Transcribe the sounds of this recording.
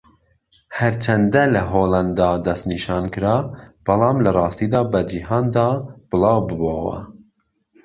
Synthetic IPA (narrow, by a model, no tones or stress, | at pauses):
hɛɾt͡ʃʰɐnd̪ɐlɐɦoːlɐnd̪ɑːd̪ɐst̪niːʃɑːnkɨɾɑːb̥ɑlˠɑːmlɐrˤɑːst̪iːd̪ɑːbɐd͡ʒiɦɑːnd̪ɑːb̥ɨlɑːwbɨbɑːwɐ̰